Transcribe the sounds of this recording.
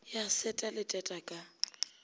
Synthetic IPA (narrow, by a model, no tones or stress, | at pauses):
jasɛtʼalɪtʼɛtʼakʼa